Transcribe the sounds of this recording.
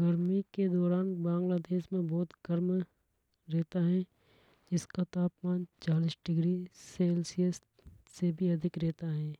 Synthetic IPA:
ɡɐɾmiked̪ɔːɾaːnbãːŋɡlaːd̪eːʃmẽbɔːt̪ɡɐɾm | ɾɛːt̪aɦɛ | d͡ʒɪskat̪aːpmaːnt͡ʃaːliːsɖɪɡɾiselsies | sebʱiɐd̪ʱɪkɾɛːt̪aɦɛ̃ː

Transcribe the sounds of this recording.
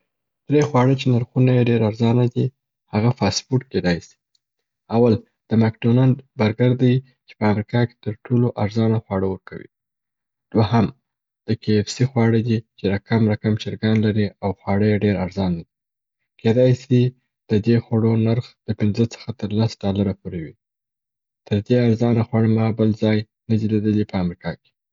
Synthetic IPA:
d̪̥ɾexwɑɽət͡ʃenaɾxunajeɖeɾaɾzɑnad̪i | haɣafɑspuʈked̪ɑjsi̥ | awal | d̪̥əmakɖonand̪baɾɡaɾd̪aj | t͡ʃe̥pəamɾikɑke̥t̪əɾʈʰoloʔaɾzɑnaxwɑɽəwəɾkawḭ | d̪̥waham | d̪̥əkefsixwɑɽəd̪it͡ʃeɾakamɾakamt͡ʃɪɾɡɑnlaɾiawxwɑɽəjeɖeɾaɾzɑnːad̪i | ked̪ɑjsi | d̪̥əd̪exwaɽonaɾxd̪̥əpɪnzət͡sə̥xat̪əɾlasɖɑlaɾapoɾewi | t̪ʰəɾd̪eaɾzɑnaxwaɽəmɑbəlzɑj | nəd̪iled̪əlipəamɾikɑke̥

